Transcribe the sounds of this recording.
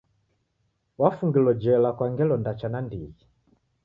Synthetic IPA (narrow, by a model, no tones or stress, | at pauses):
wafuŋɡilɔd͡ʒɛlakwaŋɡɛlɔndat͡ʃanandiɣi